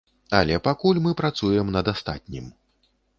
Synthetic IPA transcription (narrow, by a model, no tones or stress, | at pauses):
ɐlʲɛpakulʲmɨpɾat̪sujɛmnɐd̪ast̪a̰t̪̚ʲnʲim